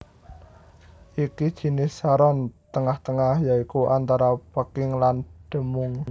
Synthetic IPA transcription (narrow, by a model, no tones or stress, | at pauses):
ʔikid̥ʒ̥i̤nɪsaɾɔnt̪əŋaht̪əŋahjaikuʔant̪aɾapəkɪŋlanɖ̥ə̤mʊŋ